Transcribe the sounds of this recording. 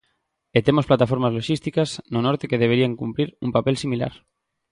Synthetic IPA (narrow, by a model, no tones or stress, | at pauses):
et̪emosplat̪afoɾmazloʃist̪ikaznonoɾt̪ekeðeβeɾiaŋkumpɾiɾumpapelsimila̰ɾ